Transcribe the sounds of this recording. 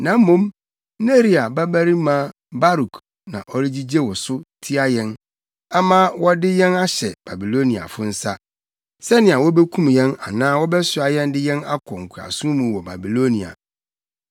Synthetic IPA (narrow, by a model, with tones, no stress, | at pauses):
nã˨m̩ː˦õ˦m | ne˦ɾi˦a˨ba˦bæ˦ɾi˦mã˦ | ba˦ɾu˨k | nã˨ʔɔ˦ɾi˦d͡ʑi˦d͡ʑe˦wɔ˨sʊ˦tʰi˦a˦jɛ̃˦n | a˦mãː˦wɔ˦dɪ˦jɛ̃˦na˦ɕɛ˨b̥a˨bi˨lo˦nĩ˨a̰˨fʊ˦n̩˦sa˦ | sɛ˦nɪ̃˨a˨wɔ˦be˦kʰũ˦m˨jɛ̃˦na̰˨nãː˦wɔ˦bɛ˦sɪ˨a˨jɛ̃˦n˦dɪ˦jɛ̃˦na˦kʰɔ̃˨ŋ̩˨kʰʷu˨a̰˨sũ˦mũ˨wɔ˨ba̰˨bi˨lo˦nĩ˨a̰˨